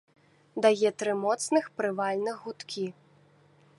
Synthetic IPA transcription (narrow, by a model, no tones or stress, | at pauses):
d̪ajɛt̪ɾɨmɔt̪snɨxpɾɨvalʲnɨɣɣut̪kʲʰi